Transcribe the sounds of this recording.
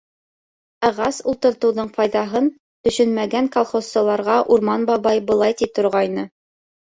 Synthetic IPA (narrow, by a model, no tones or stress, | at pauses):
ɑʁɑsulˠt̪ɤ̆ɾt̪ɤ̆wðɤɴfɑjðɑɦɤn | t̪ɵ̆ʃɵnmæɡæŋkolˠχosːɑlˠɑɾʁɑʔuɾmɑnbɑβɑjbɤ̆lˠɑjt̪it̪ŏɾʁɑjnɤ